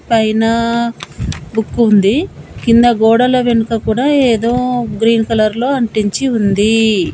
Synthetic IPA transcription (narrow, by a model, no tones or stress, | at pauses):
pɐjnɐ | bukːund̪ikind̪ɐɡɔːɽɐlɐʋenukɐkuːɽaːeːd̪o̞ːɡɾiːnkɐlɐɾlo̞ːɐɳʈiɲt͡ʃiund̪i